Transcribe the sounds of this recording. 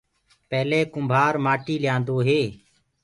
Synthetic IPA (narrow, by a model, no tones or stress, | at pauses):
pɛːleːkʊmbʱaːɾmaːʈiːljãːnd̪oːɦeː